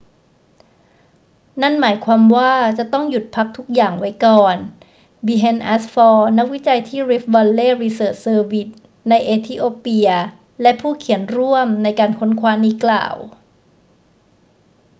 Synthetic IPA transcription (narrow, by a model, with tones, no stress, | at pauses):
na˥˩nmaː˩˦jkʰwaː˧mwaː˥˩t͡ɕa˨˩t̪ɔ˥˩ŋju˨˩t̪̚pʰa˦˥k̚t̪ʰu˦˥k̚jaː˨˩ŋwa˦˥jkɔː˨˩n | biː˧ɦe˧nʔaː˦˥sfɔː˧na˦˥k̚wi˦˥t͡ɕa˧jt̪ʰiː˥˩ɾi˦˥p̚ba˧lːeː˥˩ɾi˧sɤː˨˩t̪̚sɤː˧wi˦˥t̪̚ | na˧jʔeː˧t̪ʰiː˦˧˥ʔoː˧pi˧ɐ | lɛ˦˥ʔpʰuː˥˩kʰi˨˩˦ənɾu˥˩əmna˧jkaː˧nkʰo˧˥nkʰwaː˦˥niː˦˥kla̰ː˨˩w